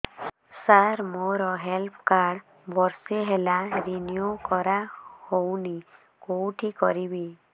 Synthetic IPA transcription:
saɾmoɾɔɦelpʰkaɾɽ | bʱɔɾseɦelaɾinjukɔɾahowni | kowʈʰikɔɾibi

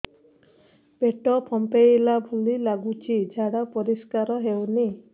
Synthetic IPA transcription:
peʈɔpʰɔmpejlabʱulilaɡut͡ʃʰid͡ʒʱaɽapɔɾiskaɾɔɦewni

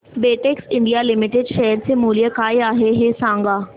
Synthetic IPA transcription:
beːʈeksɪ̃ɳɖijalɪmɪʈɪɖʃɛɦəɾsemuːlijəkaːeaːɦeɦeːsãːŋɡaː

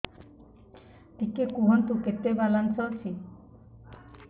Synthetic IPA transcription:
t̪ikːekuɦɔnt̪uket̪ebalansɔsʰi

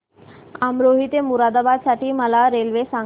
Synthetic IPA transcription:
amɾoɦit̪emuɾad̪abad̪saʈiːməlaɾelʋesa

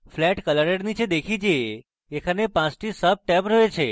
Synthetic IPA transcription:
flɛʈkələɾeɽnit͡ʃʰed̪ekʰid͡ʒeː | kʰanepãt͡ʃʈʰisəb̚ʈɛpɾəet͡ʃʰe

